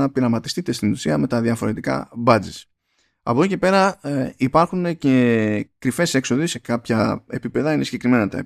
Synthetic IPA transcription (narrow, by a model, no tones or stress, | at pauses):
ɐpiɾɐmɐt̪ist̪it̪e̞st̪inenusiɐme̞t̪ɐðjɐfo̞ɾe̞t̪ikɐ̰bɐd͡zes | ɐ̰po̞icepe̞ɾɐipɐɾxunecekɾife̞se̞kso̞ðise̞kɐpçɐe̞pipe̞ðɐinesiɟe̞kɾime̞nɐt̪ɐ̰e